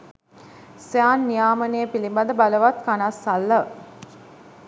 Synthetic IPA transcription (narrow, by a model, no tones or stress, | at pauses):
sjaːnːijaːmənejəpilimbad̪əbaləʋat̪kanasːalːə